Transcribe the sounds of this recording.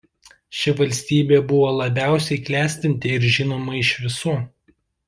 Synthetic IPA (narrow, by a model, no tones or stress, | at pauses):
ʃʲɪʋɐlʲsʲt̪ʲiːbʲeːbʊʋoːlˠɐbʲæˑʊsʲɛɪklʲæːsʲt̪ʲɪnʲt̪ʲeɪɾʒʲɪnoːmɐɪʃʋʲɪsuː